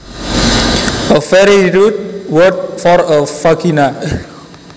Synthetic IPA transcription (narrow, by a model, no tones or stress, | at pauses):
əfɛɹiɹut̚wət̚fɔɾəfakina